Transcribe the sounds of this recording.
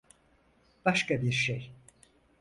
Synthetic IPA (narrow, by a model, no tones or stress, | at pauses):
b̥aʃkabiɾʃej